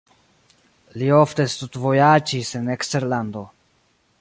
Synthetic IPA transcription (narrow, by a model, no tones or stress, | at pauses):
liofte̞st̪ut̪vojad͡ʒisenekste̞ɾland̪o̞